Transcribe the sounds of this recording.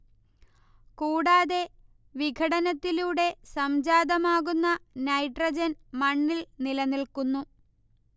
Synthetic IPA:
kuːɽaːðe̞ | ʋiɡʱɐɽɐnɐt̪ːiluːɽe̞sɐmd͡ʑaːd̪ɐmaːɣunːɐnɐjʈrɐd͡ʑɐnmɐɳːilnilɐnilkunːu

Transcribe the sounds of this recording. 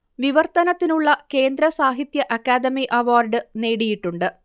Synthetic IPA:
ʋiʋɐrt̪ɐnɐt̪ːinuɭːɐke̞ːnd̪ɾɐsaːɦit̪jɐʔɐkːaːd̪ɐmiʔɐʋaːrɖɨne̞ːɽijiʈːuɳɖɨ

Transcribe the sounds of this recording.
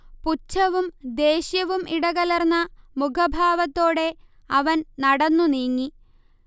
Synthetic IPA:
put͡ɕːɐʋumd̪e̞ːɕjɐʋumiɽɐɣɐlɐrnːɐmukʰɐbʱaːʋɐt̪ːo̞ːɽe̞ | ɐʋɐnnɐɽɐnːuniːŋːi

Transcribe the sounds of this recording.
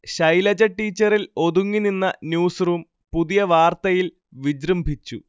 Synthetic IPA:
ɕɐjlɐd͡ʑɐʈːiːt͡ɕːɐɾilo̞d̪uŋːininːɐnjuːsruːm | puðijɐʋaːrt̪ɐjil | ʋid͡ʑɾɐmbʱit͡ɕːu

